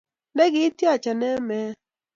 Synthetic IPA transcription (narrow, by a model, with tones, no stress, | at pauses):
nɛ˦ɡɪ˦tja˦˨t͡ʃa˨nɛ˦mɛ˦